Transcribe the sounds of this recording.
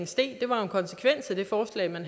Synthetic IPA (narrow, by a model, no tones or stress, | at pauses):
ŋsd̥e̝̰ːd̥e̝ʋɑ̈e̝nkʰɒ̽nsə̥kʰʋen̰sʰed̥e̝fɒːslɛ̰ɪmænɦ